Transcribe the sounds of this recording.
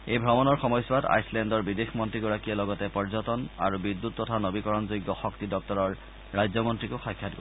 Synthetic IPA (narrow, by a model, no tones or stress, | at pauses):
ejbʱɹɔmɔnɔɹxɔmɔjswata̰jslɛndɔɹbidexmɔntɹikɔɹakijɛlɔɡɔtɛpɔɹzɔtɔna̰ɹubidːutːɔtʰanobikɔɹɔnzojɡːɔxɔktidɔk̚tɔɹɔɹː | ajzɔmɔntɹikʊxajkʰːadɡɔ